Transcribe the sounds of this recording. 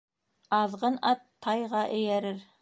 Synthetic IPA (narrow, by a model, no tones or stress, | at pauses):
ɑðʁɤnɑt̪ʰːɑjʁɑʔɘ̆jæɾɘɾ